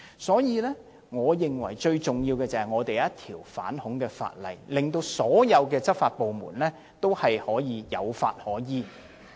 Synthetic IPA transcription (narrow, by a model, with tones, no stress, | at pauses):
sɔː˨˥jiː˨˧lɛː˥ | ŋɔː˨˧jɪ˨ŋwɐ̰˨˩jt͡ʃɵ˧ɥt͡sʊ˨ŋjiː˧wkɛː˧t͡sɐ˨˩hɐ˨˩jŋɔː˨˧t̪e˨jjɐ˥t̚t̪ʰiː˨˩wfa̰ː˨˥nhʊ˨˥ŋkɛː˧fa̰ː˧t̚lɐ̰˨˩jlɪ˨ŋt̪o˧wsɔː˨˥jɐ˨˧wkɛː˧t͡sɐ˥t̚faː˧t̚po˨wmṵː˨˩nlɛː˥ | t̪o˥whɐ˨jhɔː˨˥jiː˨˧jɐ˨˧wfa̰ː˧t̚hɔː˨˥jiː˨˧